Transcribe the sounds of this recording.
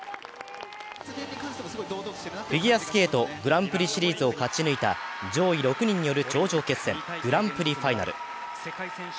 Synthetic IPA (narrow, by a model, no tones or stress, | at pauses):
ɸʲiɡʲiasɨ̥ke̞ːt̪o̞ɡɯ̟ɾãmpɯ̟ɾʲiɕiɾʲiːzɨo̞kat͡ɕinɯ̟it̪a̰d͡ʑo̞ːiɾo̞kɯ̟ɲ̟ĩɲ̟ːijo̞ɾɯ̟t͡ɕo̞ːʑo̞ːke̞sːẽ̞ɡ̥ɯ̟ɾãmpɯ̟ɾʲiɸaina̰ɾɯ̟̰